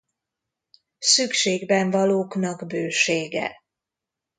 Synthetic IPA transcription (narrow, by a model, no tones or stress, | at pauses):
sykʃeːɡbɛɱvɒloːknɒɡbøːʃeːɡɛ̰